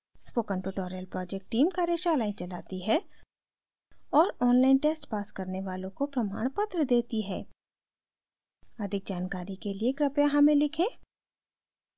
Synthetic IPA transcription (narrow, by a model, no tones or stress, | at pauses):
spoːkə̃nʈuʈɔːɾjəlpɾɔːd͡ʒɛk̚ʈʈːiːmkaːɾeʃaːlaːĩt͡ʃɐlaːt̪iɦɛː | ɔːɾɔːnlaːɪnʈeːsʈpaːskɐɾneʋaːlõkopɾɐma̰ːɽ̃pɐt̪ɾəd̪eːt̪iɦɛ̰ː | ɐd̪ʱɪk̚d͡ʒaːnkaːɾikeliekɾɐpjãɦɐmẽlɪkʰẽː